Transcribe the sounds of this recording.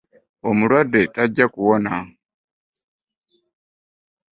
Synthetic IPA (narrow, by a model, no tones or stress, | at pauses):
omuɺwadetaɟakuwona